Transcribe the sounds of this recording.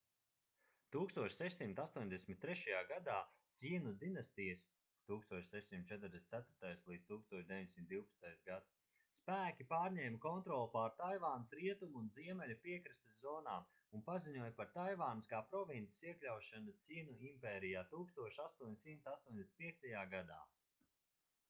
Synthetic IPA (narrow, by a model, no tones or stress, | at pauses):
t̪uːkst̪uɔʃsɛʃsimt̪ast̪uɔɲʲd̪esʲmʲit̪̚ːɾɛʃajaːɡad̪aːt̪sinud̪inast̪ijəs | t̪uːkst̪uɔt͡ʃʃsɛʃsimt̪̚t͡ʃɛt̪ɾd̪esnt̪sæt̪ʊɾt̪ajslˠiːd̪̥t̪uːkst̪uɔʃd̪eviɲd̪ʲesimt̪d̪iwpɐ̥st̪ajsɡat̪s | spæːkʲipaːɾɲʲɛːmkɔnt̪ɾɔːlˠpaɾt̪ajvaːnəsɾiɛt̪umuːnziɛmɛlʲupiɛkɾist̪əzɔːnaː | unpaziɲuɔjpaɾt̪ajvaːnskaːpɾɔvint̪i̥siɛklʲawʃanut̪siːnuimpɛːɾijaːt̪uːkst̪uɔʃast̪uɔɲsimt̪ast̪uɔɲʲd̪esʲn̥ʲt̪piɛk̚t̪ajaːɡad̪a̰ː